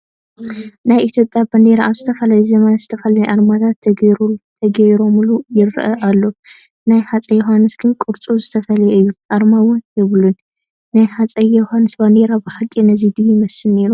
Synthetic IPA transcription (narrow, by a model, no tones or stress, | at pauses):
najʔit̪ʰjo̞pʼjabɐnd̪eɾaʔaβzɨt̪ʰɐfɐlajuzɐmɐnaz̥ɨt̪ʰɐfɐlajʔaɾmat̪ʰat̪ | t̪ʰɐɡɐjɾo̞mlujɪɾ̰ːʔɐʔalːo̞ | najħat͡sʼɐjoɦanːɨsɡ̥ɨnkʼɨɾt͡sʼuzɨt̪ʰɐfɐlɐjɨjːuʔaɾmawʊnjɛβlun | nːajħat͡sʼɐjohanːɨsbɐnd̪eɾabɨħakʼːinɐzid̪ɨjimɐsɨlne̞ɾu